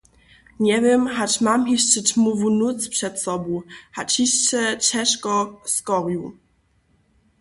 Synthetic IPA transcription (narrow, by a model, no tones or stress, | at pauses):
ɲɛvʲjɛmɦat͡ɕmamɦiʂt͡ɕɛt͡ɕmuvunut̪spʂɛt̪sɔbɔhat͡ɕhiɕt͡ɕɛt͡ɕɛʂkɔskɔʁju